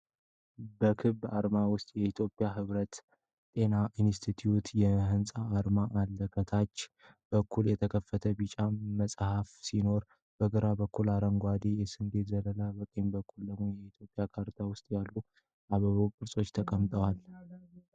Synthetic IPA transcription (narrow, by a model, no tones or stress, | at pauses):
bəkʰɨβaɾmawʊst̪ʼjɛit̪ʰjo̞pʼjaɦɨβɾət̪ | t̪ʼe̞naʔinst̪ʰit̪ʰijut̪jɛɦɨnsʼaːɾmaʔalːəkʰət̪ʰat͡ʃː | b̥əkʰːuljɛt̪ʰəkʰəfːət̪ʰəbɨt͡ʃʼaməsʼhafsino̞ɾ | b̥əɡəɾabəkːulaɾəŋɡʷad̪ejɛsɨnd̪e̞t̪zələlabək̪ʼenbəkʰːulləojɛit̪ʰjo̞pʼːjakʰaɾt̪ʰawʊst̪ʼjalːu | ʔaβəβokʼɨɾsʼo̞t͡ʃːt̪ʰəkʼəmt̪ʼəwal